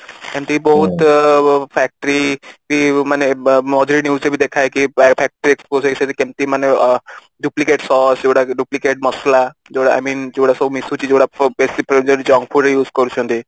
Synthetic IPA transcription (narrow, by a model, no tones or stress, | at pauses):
kɛ̃mt̪ibɔɦut̪ | pʰɛk̚ʈəɾikimanemɔd͡ʒɾinjuːzebʱid̪ekʰajkipʰɛk̚ʈəɾieksposeset̪ekemt̪imane | ɖuplikeʈsɔsd͡ʒewɽaɖuplikeʈ̚məslad͡ʒeɽaa̰jmĩːnd͡ʒewɽasɔbumisut͡ʃid͡ʒoɽabesipɾed͡ʒoɾid͡ʒɔ̃ŋɡpʰuɾejuːzkɔɾut͡ʃʰɔ̃nt̪i